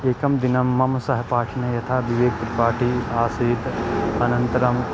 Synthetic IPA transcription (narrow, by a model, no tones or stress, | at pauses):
eːkɐmd̪inɐmːɐmsɐɦɐpaːʈʰinɐjɐt̪ʰaːbiʋeːk̚t̪ɾipaːʈʰiaːsiːt̪ɐnɐnt̪ɐɾɐm